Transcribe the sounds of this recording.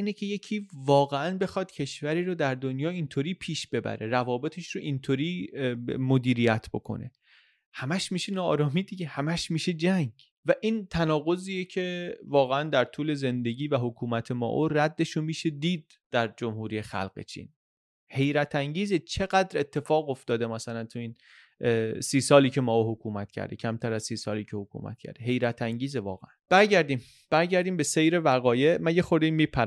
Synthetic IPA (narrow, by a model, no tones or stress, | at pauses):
iːnecʰeje̞cʰiːvɒːɣe̞ænbe̞xɒːd̪̥cʰe̞ʃvæɾiːɾod̪æɾd̪onjɒːint̪ʰoːɾiːpʰiːʃb̥e̞bæ̰ɾe̞ɾævɒːbe̞t̪ʰeʃɾoʔint̪ʰoːɾiː | mod̪iːɾijæt̪ʰb̥o̞̰kʰo̞̰ne̞̰ | hæmæʃmiːʃenɒ̰ːɾɒːmiːd̪iɟehæmæʃmiːʃe̞d͡ʒæŋɟ | væʔiːnt̪ʰænɒːɣo̞ziːjecʰe̞vɒːɣeænd̪æɾt̪ʰuːle̞ze̞nd̪e̞ɟʲiːvæɦo̞kʰuːmæt̪ʰe̞mɒ̰ːʔoræd̪ːe̞ʃomiːʃe̞d̪iːd̪̚ | d̪̥æɾd͡ʒomhuːɾiːjexæ̰lɣ̥ḛt͡ʃʰḭn | he̞jɾæt̪ʰæŋɟiːzet͡ʃʰe̞ɣæd̪ɾe̞t̪ʰːe̞fɒːɣo̞ft̪ɒːd̪e̞mæsælænt̪ʰuiːn | siːsɒːliːcʰe̞mɒːoɦokʰuːmæt̪cʰæ̰ɾd̪ḛcʰæmt̪ʰæɾæzsiːsɒːliːcʰehokʰṵmʔæ̰t̪̚cʰæ̰ɾd̪̥eɦe̞jɾæt̪ʰæŋɟiːzevɒ̰ːɣeænb̥æɾɟæɾd̪iːm | b̥æɾɟæɾd̪iːmbe̞sejɾe̞væɣɒːje̞mænjexoɾd̪eimiːpʰæ